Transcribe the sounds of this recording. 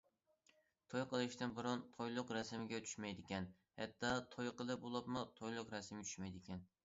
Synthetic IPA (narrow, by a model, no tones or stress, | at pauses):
t̪ʰojqəlˠɪʃt̪ɪnbɨɾʊnt̪ʰojlˠʊqɾɛsɪmɪɡʲɛt͡ʃ̪ʰy̥ʃmɛjd̪ɪkʲɛn | hɛ̰t̪ʰːɑt̪ʰojqəlˠɨp̚bolˠɑpmʊt̪ʰojlˠʊqɾɛsɪmɪɡʲt͡ʃʰy̥ʃmɛjd̪ɪkʲɛn